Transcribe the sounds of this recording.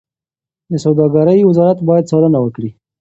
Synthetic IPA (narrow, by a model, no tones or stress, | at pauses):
d̪əsawd̪ɑɡaɾəjwɪzɑɾat̪bɑjad̪̚sɑlənawəkɽi